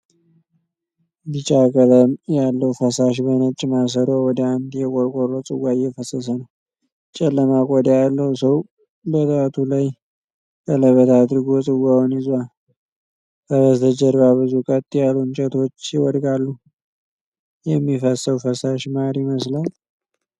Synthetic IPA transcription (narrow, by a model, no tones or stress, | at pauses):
bɨt͡ʃʼakʼələmjalːəwfəsaʃ̬bənət͡ʃʼːmas̬əɾowɔd̪əand̪jɛkʼoɾkʼoɾot͡sʼɨwːaɪjːɛfəsəs̬ənəw | t͡ʃʼɛlːəmakʼod̪ajalːəwsəw | bət̪ʰat̪ʰulaj | kʼələβət̪ʰad̪ɾɨɡot͡sʼɨwawnɪzwal | kəβəst̪əd͡ʒəɾbaβɨzukʼət̪ʼːjalunt͡ʃʼɛt̪ʰo̞t͡ʃːjɪwɔd̪ɡalːu | jɛmːifəsəwfəsaʃmaɾiməslal